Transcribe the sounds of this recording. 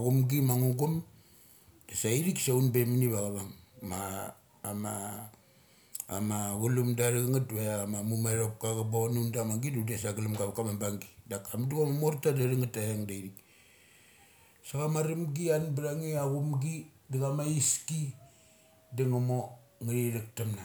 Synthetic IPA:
aɡumɡimaŋuɡum | d̥asaiɾiksaunbeminiβaɣaβaŋmaː | ma | maɡulumdaɾaɡaŋatβamamumaɾop̚kaɣɡabonundamaɡidudesaɡalamɡaβkamambaŋɡidakamduɡamamoɾtadaɾaŋataheŋdaiɾik | saɣamaɾimɡianbaɾaŋiaɡumɡi | daɡamaiski | deŋamo | ŋaɾiɾak̚tamna

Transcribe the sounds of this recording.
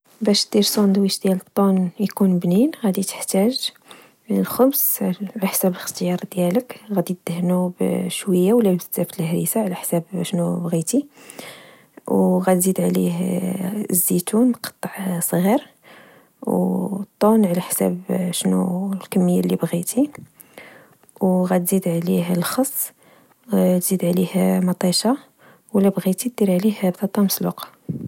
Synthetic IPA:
bæʃ̚d̪̥iɾsˤond̪wiʃd̪jælət̪ˤːunjkunbninɣæd̪it̪ə̥ħt̪æʒ | lxʊbsʕlæħsæbələxt̪jɑɾˤd̪jæləkɣæd̪it̪̚d̪̥əhnubʃwəjːawəlːæbzt̪ːæfilhɾisaʕlæħsæbʃnubɣit̪i | wɣæd̪zid̪ʕlḭh | zːit̪unqɑ̥t̪ˤːəʕsˤɣiɾ | wt̪ˤːunʕlæħsæ̰bʃnṵlkæmːəjːalːibɣit̪ʰi | wɣæt̪zid̪ʕliɦəlxɑsˤː | t̪zid̪ʕlihmɑt̪ˤiʃɑ | wəlːæbɣit̪it̪̚d̪iɾʕlihhæbt̪ɑt̪ˤːɑməslṵqɑ̥

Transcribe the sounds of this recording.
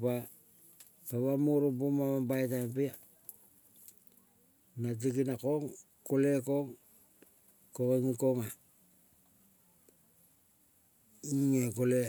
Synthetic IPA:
pa | taβamoɾopomaβabajtapia | nat̬ikinakoŋ | kole̞ko̞ŋ | kokeŋikoŋa | iŋekole

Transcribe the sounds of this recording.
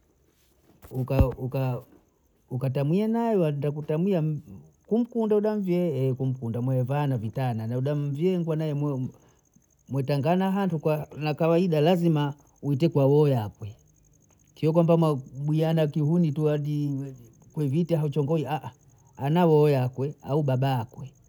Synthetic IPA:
ukauka | ukatamwianajɔandakutamwia | kum̩kundauɗaɱ̩vjɛɛkum̩kundamwɛvanavitananauɗamvjɛŋɡwanajɛm | mwɛtaŋɡanaɦantukanakawaiɗalazima | uitɛkwawɔjakwɛ | kijɔk̬wambamwaɓwianakiɦunituaɗi | kwɛvitaɦaut͡ʃɔŋɡɔiaʔ | anawɔjakwɛauɓaɓaːkwɛ

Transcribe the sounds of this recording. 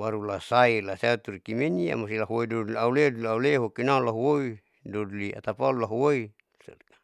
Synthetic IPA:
waɾulasailasat̪uɾkimenia̰mosilaɦwoidoduliauledulauleɦokinaulaɦwoi | dodlia̰t̪apalulaɦwoi | s

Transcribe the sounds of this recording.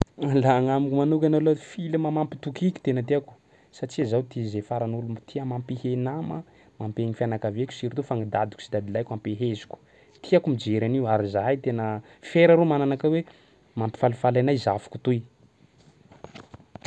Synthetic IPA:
alaŋamikumanukʲanalofiləmamampi̥t̪ukikʲi̥t̪enət̪iaku̥ | saʈ͡ʂiazawt̪izefaɾanulumt̪ʰiamampihenamə | mampeŋifianakavekʲu̥siɾt̪ufaŋid̪ad̪i̥ku̥sid̪ad̪ilajkʲampeɦezu̥kʲu̥ | t̪ʰiakumid͡ʒeɾaniuaɾizajit̪enə | feɾaɾomananakawe | mampi̥falifalajnajzafu̥ku̥t̪uj

